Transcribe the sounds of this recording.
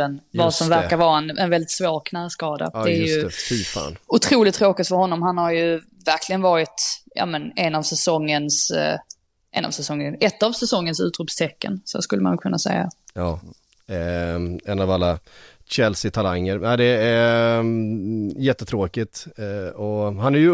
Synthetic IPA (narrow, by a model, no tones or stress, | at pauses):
ənvɑsɔmvæɾkaɾvɑːɾɛnɛnvɛld̪ɪt̪svoːknaskɑːd̪a̰d̪ɛæɾjɵfʏɾfa̰ːnʊt̪ʰɾuːlɪt̪ʰːɾoːkɪt̪fœɾhɔnːɔmɦanhaɾjɵ | væɾkʰlɪɡənvɑːɾɪt̪jɑ̰ːmənɛnɑvsɛsɔŋːəns | ʔɛ̰na̰vsɛsɔŋːənɛt̪ːavsɛsɔŋːənsʉ̟ːt̪ɾʉpst̪ʰɛkːə̰nso̰skɵlːəmanuːɡkʰɵnːasɛ̰jːa̰ɑː | ɛnavalːa | ɕɛlsɪt̪ʰalaŋːəɾaɪd̪ɛæ | jɛt̪ːət̪ʰɾoːkɪt̪ɔhanæjɵ